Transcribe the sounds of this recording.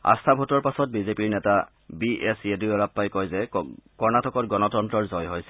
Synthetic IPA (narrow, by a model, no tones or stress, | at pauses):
a̰stʰabʱotɔɹpasɔt̚bizepiɹnɛta | biʔesiedujɔɹapːajkɔjzɛkɔɹnatʰɔkɔtɡɔnɔtɔntɹɔɹzɔjɦojsɛ̥